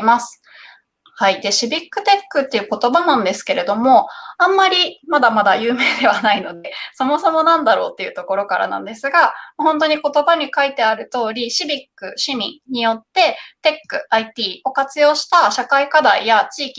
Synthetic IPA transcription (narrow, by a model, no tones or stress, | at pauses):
masɨ̥ | haid̪e̞ɕibʲikːɯ̟t̪e̞kːɯ̟t̪ːe̞jɯ̟ko̞t̪o̞banãnd̪e̞sɨ̥ke̞ɾe̞d̪o̞mo̞ãmːaɾʲimad̪amad̪ajɯːme̞ːd̪e̞β̞anaino̞d̪e̞so̞mo̞so̞mo̞nãnd̪aɾo̞̰ːt̪ːe̞jɯ̟t̪o̞ko̞ɾo̞kaɾa̰nã̰nd̪e̞sɨɡamohõ̞nt̪̬o̞ɲ̟iko̞t̪o̞baɲ̟ikait̪e̞aɾɯ̟t̪o̞ːɾʲiɕibʲikːɯ̟ɕimʲḭ̃ɲ̟ijo̞t̪ːe̞t̪e̞kːɯ̟ait̪iːo̞kat͡sɨjo̞ːɕi̥t̪aɕakaikad̪aijat͡ɕiːkʲi